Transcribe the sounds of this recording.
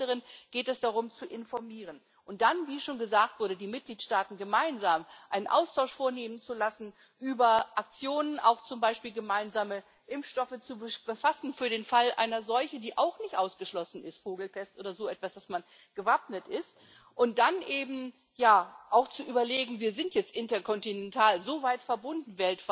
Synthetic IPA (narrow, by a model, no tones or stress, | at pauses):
əʁənɡ̥eːtɛsd̥aʁ̞ʊmt͡suʔɪnfɔɐmiːʁən | ʔʊnt̚d̥anviːʃoːnɡəzaːk̚tv̥ʊɐdədiːmɪt̚ɡ̥liːtʃtaːtn̩ɡəmaɪnzaːmʔaɪnənʔa̰ʊstʰaʊʃfoːɐneːmənt͡sulasn̩ | ʔyːbɐʔak̚t͡sjoːnənʔa̰ʊxt͡sʊmbaɪʃpiːlɡəmaɪnzaːmə | ʔɪmfʃtɔfət͡subb̥əfasn̩fyːɐɾeːnfalʔa̰ɪnɐzɔlçn̩diːʔaʊxnɪçtʔaʊsɡ̥əʃlɔsn̩ɪstfoːɡl̩pʰɛstʔoːdɐzoːɛtv̥asd̥asman | ɡ̥əvapnətʔɪst | ʔʊnt̚d̥anʔeːbm̩ | jaːʔaʊxt͡suʔyːbɐleːɡŋ̩viːɐzɪntjɛt͡stʔɪntɐkʰɔntinɛntʰaːlzoːvaɪtfɛɐbʊndn̩vɛltv